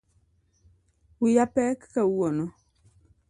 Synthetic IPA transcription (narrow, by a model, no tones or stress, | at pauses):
ujapɛki̥kɛuwɔnɔ